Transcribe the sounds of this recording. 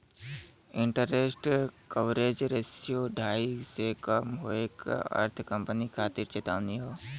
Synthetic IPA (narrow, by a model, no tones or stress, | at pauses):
ɪɳʈəɾesʈkəʋɾeːd͡ʒɾeːsijoɖʱaːisekəmɦo̰ːekə̰ɾt̪ʰkəmpənikʰaːt̪iɾt͡ʃeːt̪aːʋniɦoː